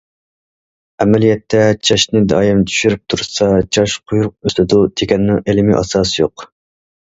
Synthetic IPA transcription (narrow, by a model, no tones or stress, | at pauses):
ɛmɛlijɛt̪ʰːɛt͡ʃʰɑʃnɪd̪ɑ̰ːjɪmt̪ʰy̥ʃyɾyp̚t̪ʰuɾsɑt͡ʃʰɑʃqʰʊjuɾʊq̚øst̪ɪd̪ut̪ʰekʲɛnːɨŋelɪmiʔɑ̰sɑːsɨjoq